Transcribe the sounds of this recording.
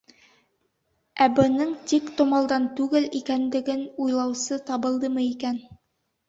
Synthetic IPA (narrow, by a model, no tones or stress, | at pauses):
æbɤ̆nɤɴt̪ikt̪ŏmɑlˠd̪ɑnt̪ʉɡɘlikænd̪ɘ̆ɡɘnujlˠɑwsɤt̪ɑβɤ̆lˠd̪ɤmɤikæn